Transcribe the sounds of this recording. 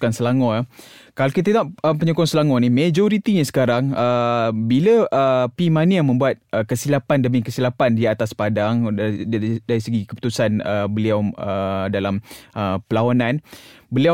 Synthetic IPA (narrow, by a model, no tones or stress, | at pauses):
ansəlaŋɔ̃akalakit̪əaʔəpəɲukɔŋsəlaŋɔnimẽd͡ʒoɾit̪iɲasə̥kaɾaŋəbiləəpimaniamə̃mbuat̪̚əkəsilapandəmĩkəsilapandiat̪aspadaŋ | daɾisəɡikəpu̥t̪usanəbəliawədalamʔəpəlawanãnbəlia